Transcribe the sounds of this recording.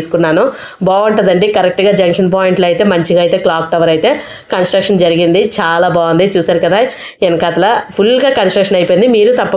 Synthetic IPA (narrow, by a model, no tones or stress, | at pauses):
su̥kunːaːnu | baːuɳʈund̪ɐɳɖikɐɾek̚ʈɡaːd͡ʒɐŋkʂɐnp̬aːjiɳʈlɐjt̪e̞ːmɐɲt͡ʃiɡaːjt̪e̞ːklaːkʈɐʋɐɾɐjt̪e̞ː | kɐnsʈɾɐkʂɐnd͡ʒɐɾiɡind̪it͡ʃaːlaːbaːɐnd̪it͡ʃuːsaːɾukɐd̪aː | enkat̪ɐlɐpʰulɡaːkɐnsʈɾɐkʂɐnɐjpojind̪imiːɾut̪ɐpːɐ